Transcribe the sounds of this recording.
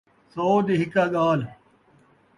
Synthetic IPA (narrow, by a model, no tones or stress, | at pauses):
soːd̪iɦɪkaːɠaːl